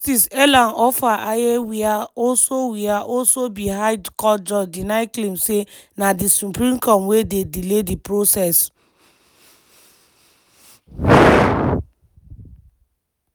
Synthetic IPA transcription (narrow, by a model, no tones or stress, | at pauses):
tisɛlãnɔfaʔajewiaɔlsowiaʔɔlsobiɦaɪdkɔd͡ʒɔdinaɪklemsenadisupɾĩmkɔmwedediledipɹosɛs